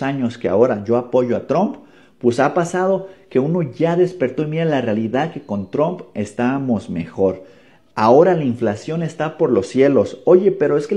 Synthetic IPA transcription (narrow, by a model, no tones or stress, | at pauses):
aɲo̞ske̞a̰o̞ɾaʝo̞apo̞ʝo̞at̪ɾomp | pwesapasað̞o̞ke̞uno̞ʝaðe̞spe̞ɾt̪o̞enmiðalarealiðaðke̞ko̞nt̪ɾompe̞st̪aβamo̞zme̞̰xo̞ɾ | ao̞ɾalaiɱflasjo̞ne̞st̪apo̞ɾlo̞sːje̞lo̞so̞ʝe̞pe̞ɾo̞eske